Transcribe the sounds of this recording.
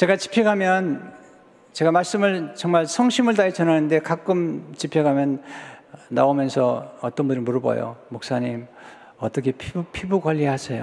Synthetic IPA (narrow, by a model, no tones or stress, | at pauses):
t͡ɕe̞ɡat͡ɕi̥pʰeɡamjʌn | t͡ɕe̞ɡamaɭs͈ɯmɯɭt͡ɕʌŋmaɭsʰʌŋɕʰimɯɭt̬ait͡ɕʌnɦanɯnde̞kak͈ɯmt͡ɕipʰeɡamjʌnː | a̰omjʌnsʰʌʌt͈ʌnbunɾɯɭmuɾɯbʌ̰jo̰muk̚s͈aɲim | ʌt͈ʌkʰe̞pʰipʰibuɡwaʎːihasʰejo